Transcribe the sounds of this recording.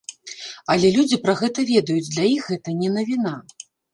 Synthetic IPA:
ɐlʲɛlʲud͡zʲipɾɐɣɛt̪ɐvʲɛd̪ɐjud͡zʲd̪lʲajixɣɛt̪ɐnʲɛnɐvʲina

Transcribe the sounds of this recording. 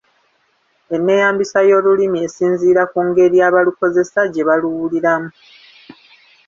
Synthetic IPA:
e̞nːe̞jaːmbisajo̞ːlulimie̞siːnziːɾakuːŋɡe̞ɾiaːβaluko̞ze̞saɟe̞βaluwuliɾamu

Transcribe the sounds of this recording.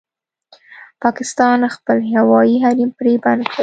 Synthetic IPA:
pɑkɪst̪ɑnxpəlhawɑjiɦaɾimpɾeband̪kɽə

